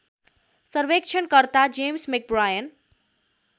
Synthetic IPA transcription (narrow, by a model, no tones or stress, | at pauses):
sʌɾʋek̚t͡ʃʰʌnkʌɾt̪ad͡ʒemsmek̚bɾajən